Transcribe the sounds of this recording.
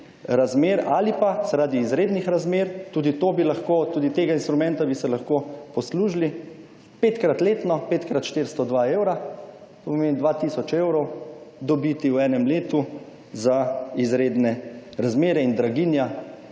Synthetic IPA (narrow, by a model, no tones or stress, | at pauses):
ɾazmeːɾalipasaɾad̪iːzɾeːd̪nixɾazmeɾt̪uːd̪it̪oːbilaxkoːt̪uːd̪it̪eːɡainst̪ɾumɛ̃nt̪abisɛlaxkopɔsluːʒli | peːt̪kɾat̪leːt̪nɔpeːt̪kɾat̪ʃt̪eɾst̪ɔd̪ʋaewɾa | t̪opɔmeːnid̪ʋaːt̪iːsɔt͡ʃewɾɔwd̪ɔbit̪iwɛːnɛmleːt̪u | zaizɾeːd̪nɛɾazmeːɾɛind̪ɾaɡiːnja